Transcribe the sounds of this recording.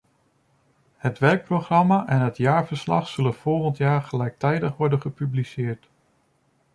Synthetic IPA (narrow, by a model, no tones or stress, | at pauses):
hətʋɛɹk̚proχrɑmaːʔɛnɦətjaːɹvəɹslɑ̰χsɵlənv̥ɔlˠχəntjaːɹχəlɛjk̚tɛjdəχʋɔɹdənχəpyblisɪːɹt